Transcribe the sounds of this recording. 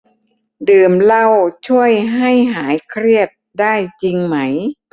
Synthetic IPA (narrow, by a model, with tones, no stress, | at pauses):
dɯː˨˩mla˧wt͡ɕʰu˥˩əjɦa˥˩jɦaː˩˦jkʰɾi˥˩ət̪̚daː˥˩jt͡ɕi˧ŋma˦˥j